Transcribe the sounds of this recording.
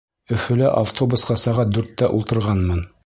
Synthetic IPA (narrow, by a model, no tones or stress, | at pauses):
ɵ̆fɵ̆læʔaft̪ʰobusqɑsɑʁɑt̪̚d̪ʉɾt̪ːæʔulˠt̪ɤ̆ɾʁɑnmɤn